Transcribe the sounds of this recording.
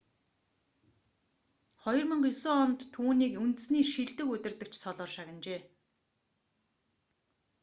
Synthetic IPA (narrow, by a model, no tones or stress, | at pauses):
χɔjɞ̆rmə̆ɴɢjʊsoːɔnt̪ʰːuːniːkunt̪ɘ̆sniːʃiɮt̪ɘ̆kɵt̪ʲɪ̆rt̪ɘ̆kt͡ɕʰt͡sʰɔɮɔːrʃaɣə̆nt͡ɕeː